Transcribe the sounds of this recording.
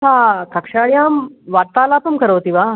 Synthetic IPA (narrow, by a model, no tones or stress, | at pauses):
ɦakəkʂaɭjamʋat̪alapəmkəɾəʋt̪iʋa